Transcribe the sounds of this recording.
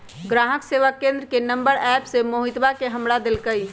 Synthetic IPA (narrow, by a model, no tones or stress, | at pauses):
ɡɾaɦəkseʋəkːẽnd̪ɾəkenəmbəɾɛpsemoɦit̪bakeɦəmɾad̪elkəj